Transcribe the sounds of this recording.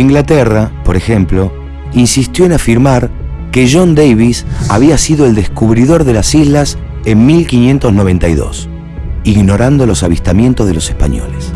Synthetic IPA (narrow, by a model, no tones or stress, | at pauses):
iŋɡlat̪ɛrapo̞ɾexe̞mplo̞ | insist̪jo̞enafiɾmaɾ | keʒo̞nd̪ejβisaβiasiðoeld̪eskuβ̞ɾiðo̞ɾðe̞lasizlas | emmilkinje̞nt̪o̞zno̞β̞e̞nt̪ajðo̞̰s | iɣno̞ɾand̪o̞lo̞saβist̪amjẽ̞nt̪o̞zð̞elosehpaɲo̰les